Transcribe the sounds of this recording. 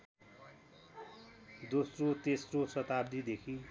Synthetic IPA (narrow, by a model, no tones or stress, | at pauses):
d̪osrot̪esrosʌt̪ab̚d̪id̪ekʰi